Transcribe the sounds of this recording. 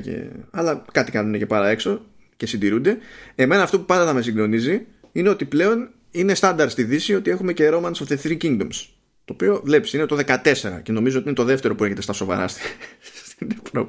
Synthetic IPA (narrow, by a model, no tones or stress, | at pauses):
cḛɐlɐkɐt̪ikɐnune̞cepɐɾɐe̞kso̞ | ce̞sind̪iɾund̪e̞e̞me̞nɐːft̪o̞pupɐnd̪ɐt̪ɐme̞siɡd̪o̞nizi | ine̞o̞t̪iple̞o̞n | ine̞st̪ɐnd̪ɐɾt̪st̪iðisio̞t̪ie̞xume̞ceɾo̞mɐnst̪oθeθɾiciŋd̪o̞̰ms | t̪o̞ːpio̞vle̞psine̞t̪o̞ðe̞kɐt̪e̞se̞ɾɐ̰ce̞no̞mizot̪iinet̪ðe̞ft̪e̞ɾo̞pue̞çe̞t̪e̞st̪ɐso̞vɐ̰ɾɐ̰st̪ist̪inevɾop